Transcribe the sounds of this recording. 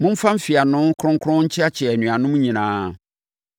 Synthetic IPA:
mʊ̃˦m̩˦fã˦m̩˦fi˨a˨nʊ̃˦kʰɾʊ̃˦ŋkʰʊ̃˦ɲ̩˦t͡ɕʰɪ˦a˦t͡ɕʰɛ˨nũ˨a˨nʊ̃˦mũ˦ɲĩ˨nãː˨˦

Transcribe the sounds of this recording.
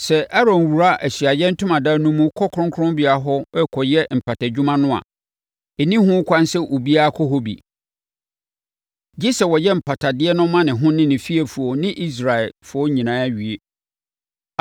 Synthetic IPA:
sɛ˨ʔa˦ɾɔ̃˨n˨wu˨ɾa˦ʔæ˨ɕɥa˨jɛ˦n̩˦tʰʊ̃˦mã˨da˦nũ˦mũ˦kʰɔ˦kʰʊ̃˦ŋkʰʊ̃˦mbi˨a˨ɦɔ˦ɛ˦kʰɔ˨jɛ˦m̩˨pʰa˨tʰa˨d͡ʑᶣu˦mã˦nʊ̃˦a̰˨ | e˨nĩ˦ɦʊ̃˦kʰʷã˦n˦sɛ˦ʔo˨bi˦a˦kʰɔ˦ɦɔ˦bḭ˨ | d͡ʑi˦sɛ˨wɔ˨jɛ˦m̩˨pʰa˨tʰa˨dɪ˦ɛ˦nʊ̃˦mːã˦nɪ̃˨ɦʊ̃˦nɪ̃˦nɪ̃˨fi˦e˨fu˨o˨nɪ̃˦ʔi˦s̬ɾa˨ɛ˨lfʊ˨ɔ˦ɲĩ˨nã˦a˦ɥɥe˦

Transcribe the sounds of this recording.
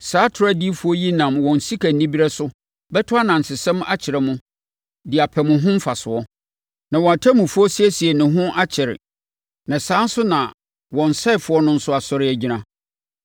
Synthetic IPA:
saː˦tʰʊ˨ɾa˦di˦fʊ˨˦ɔ˦ji˦nã˨mwɔ̃˨n̩˨si˦kʰæ˨n̩˨nĩ˦bi˦ɾɛ˦sʊ˦ | bɛ˦tʰʊ˦a˦nã˨n̩˨sɪ˨sɛ̃˦m̃˦ʔa˦t͡ɕʰɪ˨ɾɛ˨mʊ̃˦ | dɪ˨a˨pʰɛ˨mʊ̃˨ɦʊ̃˦m̩˦fa˨sʊ˨ɔ˦ | nã˨wɔ̃˨a˨tʰa˦mũ˨fʊ˦ɔ˦si˦ɛ˦si˨ɛ˨nʊ̃˨ɦʊ̃˦ʔa˦t͡ɕʰɪ˨ɾɪ̰˨ | nã˨saː˦n̩˦sʊ˦nã˨ | wɔ̃˨n̩˨sɛ˦ɪ˨fʊ˨˦ɔ˦nʊ̃˦n̩˦sʊ˦a˨sɔ˦ɾɪ˦æ˨d͡ʑi˦nã˦

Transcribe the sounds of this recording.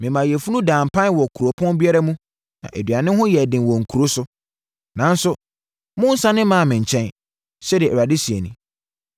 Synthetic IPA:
mɪ̃˨mã˨jɛ˨fu˦nũ˦dãː˨m˨pʰã˦n˦wɔ˨kʰu˨ɾo˨pʰɔ̃˦n˦bi˦a˦ɾa˦mũ˦ | nã̰˨ʔe˨dɥa˨nɪ̃˦hʊ̃˦jɛ˨dɪ̃˨nwɔ˨ŋ̩˨kʰu˨ɾo˦sʊ˦ | nã˨n˦sʊ˦ | mʊ̃˦n̩˦sã˦nɪ̃˦mã˨˦˨mɪ̃˨ɲ̩˨t͡ɕʰɛ̃˦n | ɕɛ˦dɛ˨ɛ˨ɾa˨dɪ˦si˨e˨nĩ˨

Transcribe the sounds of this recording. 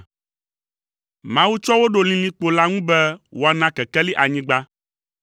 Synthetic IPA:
mã˦wu˦t͡ʃɔ˦wo˦ɖo˨lĩ˨lĩ˦k͡po˨la˦ŋũ˦bɛ˦wo˦˨a˨nã˦kɛ˨kɛ˦li˦ʔa˨ɲĩ˦ɡ͡ba˦

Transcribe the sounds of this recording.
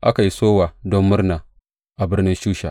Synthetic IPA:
ʔa˦ka˨ji˦soː˦waː˨dɔ˦mːʊ˦rnaː˨ | ʔa˨bɪ˦rnɪ˦nʃuː˦ʃa̰˨

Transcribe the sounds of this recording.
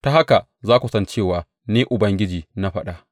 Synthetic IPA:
ta˦ha˦ka˨ | zaː˦kʷu˨sɐ˦nt͡ʃeː˦˨waː˨ | neː˦ʔʊ˨bɐ˦ŋɡʲɪ˦d͡ʒiː˨na˦ɸɐ˦ɗa˨ʔ

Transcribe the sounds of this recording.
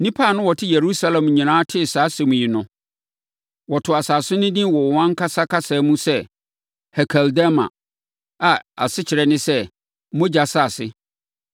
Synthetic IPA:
nĩ˦pʰa˦˨nʊ̃˦wɔ˨tʰɪ˦je˨ɾu˦sa˦lɛ̃˨m˨ɲĩ˨nãː˦tʰɪ˦˨saː˨˦sɛ˨mũ˨ji˨nʊ̃˨ | wɔ˨tʰʊ˨a˨saː˨sʊ˦nɪ̃˦dĩ˦wɔ˨wɔ˨wã˦ŋ˦kʰa˦sa˦kʰa˦sa˨˦mũ˦sɛ˦ | hɛ˨kʰɛ˨lda˦mã̰˨ | a˨a̰˨sɪ˦t͡ɕʰɪ˨ɾɛ˦nɪ̃˦sɛ˦ | mʊ̃˦d͡ʑa˨sa˦a˨sɪ˦

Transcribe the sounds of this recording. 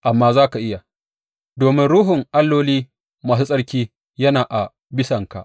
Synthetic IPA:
ʔa˨mːaː˦zaː˦ka˨ʔɪ˦ja˨ | doː˨mɪ˦nɽuː˦ɦʊ˨ŋʔa˦lːoː˦liː˦ | maː˨s̬uː˦sʼɐ˦ɽkʲiː˦ | jɐ˦naː˨ʔa˨ | bɪ˦sɐ˨ŋka̰˨ʔ

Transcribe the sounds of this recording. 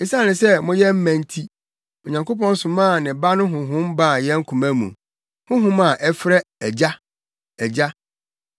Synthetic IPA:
e˦sã˦nɪ̃˨sɛ˦mʊ̃˦jɛ˦m̩˦mæ̃˨n˦tʰi˦ | ɔ˨ɲã˨ŋko˦pɔ̃˦n˦sʊ̃˨mãː˦˨nɪ̃˨ba˦nʊ̃˦ɦʊ̃˨ɦʊ̃˦mba˦˨jɛ̃˦ŋ̩˦kʰũ˨mæ̃˦mṵ̃˨ | hʊ̃˦ɦʊ̃˦mã˨ʔɛ˦fɾɛ˦ɛ˨d͡ʑa˦ | ɛ˨d͡ʑa˦

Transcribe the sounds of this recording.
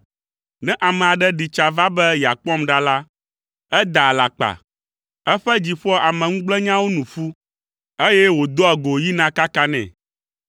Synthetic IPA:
nɛ̃˦ʔa˨mɛ̃˨a˨ɖɛ˦ɖi˨t͡ʃa˨va˦bɛ˦jɛ˨a˨k͡pɔ̃˦mɖa˦la˦ | ɛ˦d̪a˨la̰˨k͡pa̰˨ | ɛ˦ɸɛ˦d͡ʑi˨ɸɔ˦a˨mɛ̃˨ŋũ˦ɡ͡blɛ˦ɲã˦wo˦nũ˨fu˦ | e˦jɛ˦wo˨d̪o˦a˨ɡo˨ji˦nã˦ka˦ka˦nɛ̰̃˨

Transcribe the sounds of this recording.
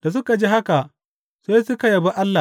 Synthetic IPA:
d̥a˨s̬ʊ˦ka˨d͡ʒi˦ɦa˦ka˨ʔ | seː˦sʊ˦ka˨jɐ˨ba˦ʔa˦lːa˨

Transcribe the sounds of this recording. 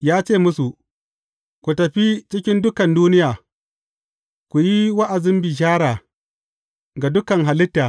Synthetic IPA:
jaː˦t͡ʃeː˦˨mʊ˦su˨ | kʷu˨tɐ˨ɸi˦t͡ʃɪ˦kʲɪ˦ndʊ˦kɐ˨nduː˦nɪ˦jaː˨ | kʷu˨ji˦wa˦ʔa˨zɪ˦mbi˨ʃ̬aː˦ɽaː˨ | ɡa˨dʊ˦kɐ˨ŋɦa˨lɪ˦tːaː˨

